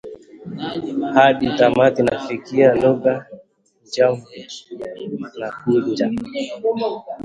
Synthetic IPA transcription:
haɗitamatinafikialɔɡa | d͡ʒa | nakuɲd͡ʒa

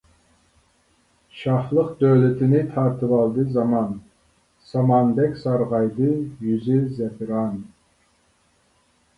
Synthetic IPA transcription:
ʃɑχlˠəqd̪øwlɪt̪ʰɪnɪt̪ʰɑɾt̪ʰɨvɑlˠd̪ɨzɑmɑn | sɑmɑnd̪ɛkʲsɑɾʁɑjd̪ɨjyzyzɛpʰɾɑn

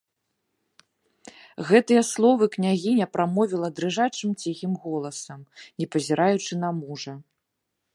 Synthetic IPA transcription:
ɣɛt̪ɨjɐslˠɔvɨknʲaɣʲinʲɐpɾamɔvʲilˠɐd̪ɾɨʐat͡ʂɨmt͡sʲiɣʲimɣɔlˠɐsɐmnʲɛpɐzʲiɾʔajut͡ʂɨnɐmuʐɐ

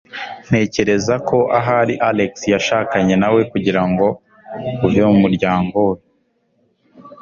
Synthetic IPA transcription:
n̥e̞ːce̞ɾe̞zakʰo̞ʔaɦaɾiʔaleksijaʃaːkaɲe̞nawe̞kuɟiɾaŋɡo̞ | uvomumuɾɟaːŋɡo̞e

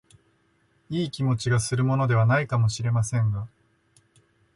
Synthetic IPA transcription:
iːkʲimo̞t͡ɕiɡasɨɾɯ̟mo̞no̞d̪e̞β̞anaikamo̞ɕiɾe̞masẽ̞ŋɡa

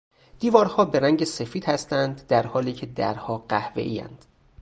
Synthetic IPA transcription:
d̪̥iːvɒːɾhɒːbe̞ɾæŋɟe̞se̞fiːd̪̥hæst̪ænd̪ːæɾhɒːliːcʰe̞d̪æ̰ɾhɒːɢæhve̞̰ʔiːæ̰nd̪̥

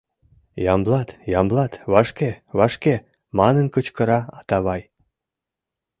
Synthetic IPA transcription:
jɑmblɑt̪jɑmblɑt̪βɑʃkeβɑʃke | mɑnənkət͡ɕkə̆ɾɑɑt̪ɑβɑj

